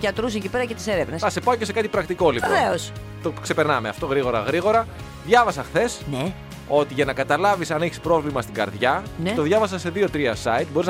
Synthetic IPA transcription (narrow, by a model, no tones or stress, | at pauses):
ʝɐt̪ɾus̬ecipe̞ɾɐcet̪i̥se̞ɾevnesɐse̞pɐoce̞se̞kɐt̪ipɾɐkt̪iko̞lipoveos | t̪okse̞peɾnɐmeɐ̰ft̪o̞ɣɾiɣo̞ɾɐ̰ɣɾiɣo̞ɾɐ | ðʝɐvɐsɐxθe̞sne | o̞t̪iʝɐnɐkɐt̪ɐlɐvisɐneçispɾo̞vlimɐst̪iɡɐ̰ɾðʝɐnt̪o̞ðʝɐvɐsɐsːe̞ðio̞t̪ɾiɐsɐit̪̚boɾiz